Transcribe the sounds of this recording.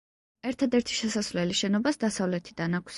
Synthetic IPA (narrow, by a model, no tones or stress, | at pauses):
ɛɾt̪ʰad̪ɛɾt̪ʰi̥ʃɛsasvlɛliʃɛnɔbasd̪asavlɛt̪ʰid̪anakʷʰs